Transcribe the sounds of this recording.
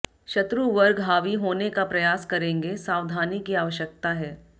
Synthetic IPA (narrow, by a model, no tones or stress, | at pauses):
ʃɐt̪ɾuʋɐɾɡɦaːʋiɦoːnekapɾɐjaːskɐɾẽːŋɡesaːʋd̪ʱaːnikiaːʋəʃjək̚t̪aɦɛː